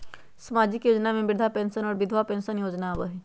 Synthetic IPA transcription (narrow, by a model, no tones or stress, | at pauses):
sɐmaːd͡ʒɪkjoːd͡ʒnamẽbɪɾd̪ʱapɛ̃ːnsənɔːɾbɪd̪ʱʋapɛ̃ːnsənjoːd͡ʒnaʋəɦi